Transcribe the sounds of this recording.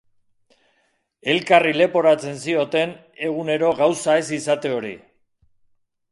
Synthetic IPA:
e̞lkarile̞po̞ɾat͡se̞nsio̞t̪e̞n | e̞ɣ̞une̞ɾo̞ɣawsae̞sisat̪e̞o̞ɾḭ

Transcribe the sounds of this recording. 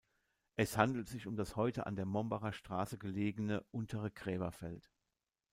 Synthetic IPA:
ʔɛshandl̩tz̥ɪçʊmdashɔʏtəʔa̰ndeːɐmɔmbaʁɐʃtʁ̥aːsəɡəleːɡənəʔʊntʰəʁəɡʁɛːbɐfɛlt

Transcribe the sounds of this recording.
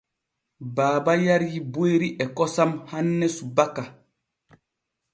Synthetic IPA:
baːbajaɾjiboeɾiʔɛkɔsamhanːɛsubaka

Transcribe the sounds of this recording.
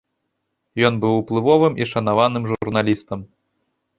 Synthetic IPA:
jɔnbɨwuplˠɨvɔvɨmʔiʂɐnavanɨmʐurnalʲist̪ɐm

